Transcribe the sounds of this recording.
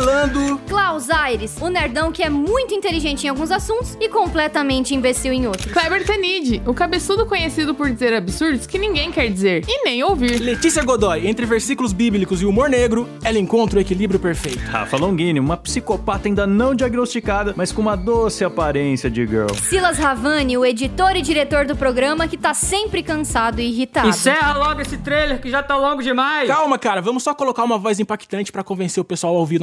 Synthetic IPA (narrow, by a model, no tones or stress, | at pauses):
lɐ̃d̪ʊklawzajɾɪsʊnaɾd̪ɐ̃w̃kɪɛmũj̃t̪ʊĩnt̪eliʒẽnt͡ʃɪẽawɡũzasũnt̪ʊ̥sɪkõmplɛt̪ɐmẽnt͡ʃɪĩvest͡ʃiwẽj̃owt̪ɾʊklɛbeɾt̪enid͡ʒɪʊkabesud̪ʊkõɲesid̪ʊpoɾd͡ʒizeɾabisuɾd̪ʊskɪnĩŋɡẽj̃kɛɾd͡ʒizeɾɪnẽj̃owviɾlet͡ʃisiɐɡod̪ɔjẽnt̪ɾɪveɾsikulʊzbiblikʊzɪumoɾneɡɾʊ | ɛlɪẽkõnt̪ɾʊekilibɾjʊpeɾfejt̪ʊ̥ha̰falõɡĩnɪũmɐpsikopat̪ɐaĩnd̪ɐnɐ̃w̃d͡ʒiaɡnost͡ʃikad̪ɐmɐskõũmɐd̪osɪapaɾẽsjɐd͡ʒɪɡḛwsilɐzhavɐ̃nɪʊed͡ʒit̪oɾɪd͡ʒiɾet̪oɾd̪ʊpɾoɡɾɐ̃mɐkɪt̪asẽmpɾɪkɐ̃sad̪ʊiiɦit̪aɪdsɛɦɐlɔɡʊesɪt̪ɾejleɾkɪʒat̪alõŋɡʊd͡ʒɪmajskawmɐkaɾɐvɐ̃mʊsːɔkolokaɾũmɐvɔzĩpakt̪ɐ̃nt͡ʃɪ̥pɾɐkõvẽseɾʊpesuawawvid̪